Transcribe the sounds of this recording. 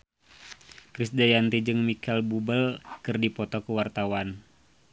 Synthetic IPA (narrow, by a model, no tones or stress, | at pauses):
kɾisdajant̪id͡ʒɨŋmikɛlbubəlkɨrdipɔt̪ɔkuwart̪awan